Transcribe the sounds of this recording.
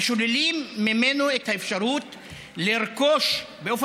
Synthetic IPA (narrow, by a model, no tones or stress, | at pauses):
ʃolelimːimenoethaefʃaʁut | liʁko̞ʃ | beof